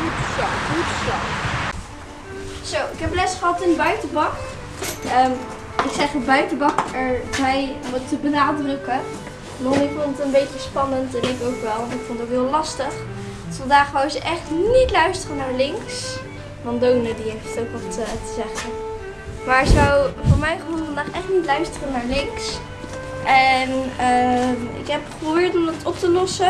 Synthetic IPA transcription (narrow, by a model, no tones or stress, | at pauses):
tjaitəslɑχ | z̥owɪkɦɛplɛsχəɦɑtɪndəbœɥtəbɑk | əːm | ɪksɛχɔbœɥtəbɑkɛɹbɛjʋɑtəbənaːdrəkə | nɔɪfondtətənbejcəspɑnəntɛnɪkowkʋɛlˠʋɔntɪkfondətowkɦɪːlˠɑstəχ | dtfɑndaːχʋawzəʔɛχtnitlœɥstərənaːɹlɪŋks | ʋɑndownədiejftətowkʋɑlˠtətəzɛχən | maːɹkzəawvʊːɹmɛjχəɦhuvɑndaːχɛχtnitlœɥstərənaːɹlɪŋks | ʔɛnəɪ̰kɦɛp̚probɪːɹtɔmdɑtɔp̚təlɔsə